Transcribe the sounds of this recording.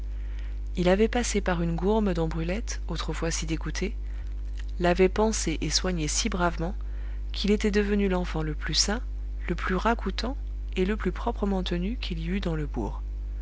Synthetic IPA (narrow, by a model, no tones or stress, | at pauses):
ilavɛpasepaʁynɡuʁməd̪ɔ̃bʁylɛt̪ | ot̪χəfwasid̪eɡut̪ʰe | lavɛpɑ̃seʔeswaɲesibʁavmɑ̃ | kʰilet̪ɛd̪əvənylɑ̃fɑ̃ləplysɛ̃ | ləplyʁakut̪ɑ̃ | eləplypχɔpχəmɑ̃t̪ənykʰiliyd̪ɑ̃ləbṵːʁ